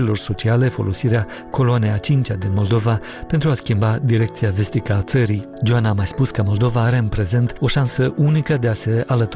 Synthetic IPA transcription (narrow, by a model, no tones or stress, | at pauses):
ilo̞rso̞t͡ʃiale̞fo̞lo̞siɾea | ko̞loanejat͡ʃint͡ʃad̪inmo̞ld̪o̞va | pe̞nt̪ɾuaskʲimbad̪iɾe̞k̚t̪sijave̞st̪ikəat̪səɾi | d͡ʒoanaːmajspuskəmo̞ld̪o̞vaːɾe̞ɨnpɾe̞ze̞nt̪o̞ʃansəʔunikəd̪e̞ase̞alət̪